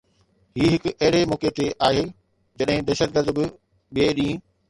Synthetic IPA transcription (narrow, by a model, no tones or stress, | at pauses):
ɦiːɦɪkʊɐɦɪɽ̤emɔːket̪eʔaːɦeː | d͡ʑɐɗɦɪ̃d̪ɐːʃət̪̚ɡəɾd̪bɪ | ɓieɗĩː